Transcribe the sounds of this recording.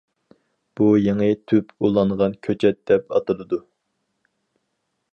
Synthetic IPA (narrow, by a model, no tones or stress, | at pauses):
b̥ujeŋɨt̪ʰypʰulˠɑɴʁɑnkʲʰøt͡ʃʰɛt̪̚d̪̥ɛpɑt̪ɨlˠɨd̪u